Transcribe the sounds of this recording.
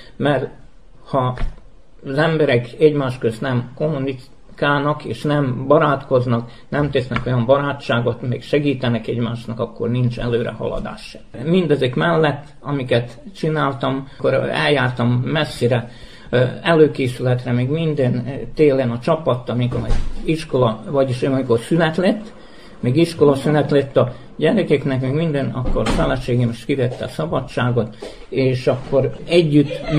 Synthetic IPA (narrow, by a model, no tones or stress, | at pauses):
mɛr | hɒ | zɛmbɛɾɛkɛɟmaːʃkøst̪nɛmko̞mːuni | kaːlnɒkeːʃnɛmbɒɾaːt̪ko̞znɒk | nɛmt̪ɛsnɛko̞jɒmbɒɾaːt͡ʃːaːɡo̞t̪mḛːkʃɛɡiːt̪ɛnɛkɛɟmaːʃnɒkɒkːo̰rnint͡ʃɛ̰løːɾɛ̰hɒ̰lɒ̰d̪a̰ːʃɛmmind̪ɛzikmɛlːɛt̪ːɒmikɛt̪t͡ʃinaːlt̪ɒmkoɾɛ̰ljaːrt̪ɒmːɛsːiɾɛ | ɛløːkeːsylɛt̪rɛmeːɡmind̪ɛnt̪eːlenɒt͡ʃɒpɒt̪ːɒmikoɾɛiʃko̞lɒvɒɟiʃɒmiko̞rsylɛt̪let̪ː | meːɡiʃko̞lɒsylɛt̪let̪ːɒ | ɟɛɾɛkɛknɛkmeːɡmind̪ɛnɒ̰kːoɾfɛlɛʃeːɡemiʃt̪kiʋɛt̪ːɛ̰sɒbɒt͡ʃːaːɡo̞t̪eːʃɒkːo̞ɾɛɟːyt̪ː